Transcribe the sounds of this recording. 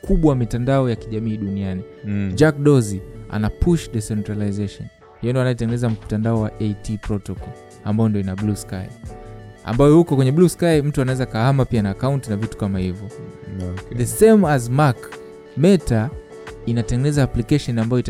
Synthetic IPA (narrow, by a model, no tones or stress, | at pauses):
kʰuɓwamitandaɔjakiʄamiːɗuniani | d͡ʒak̚ɗɔzia̰napʰuʃdɛsɛntɾalajzɛʃɔn | hijɔndɔanajɔtɛŋɡɛnɛzatandaɔwaʔejtipɾɔtɔkɔl | ambajɔndiɔinabluska̰j | a̰mbajɔhukɔkwɛɲɛbluskajm̩tuanawɛzakahamapianaːkauntinavitu̥kamahivjɔ | ðɛsɛmazmak | mɛta | inatɛŋɡɛnɛzaːplikɛʃɔnambajɔit